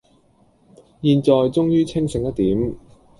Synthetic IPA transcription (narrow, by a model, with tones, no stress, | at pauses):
jiː˧nt͡ʃɔː˨jt͡sʊ˥ŋjyː˥t͡sʰɪ˥ŋsɪ˨˧ŋjɐ˥t̚t̪iː˨˥m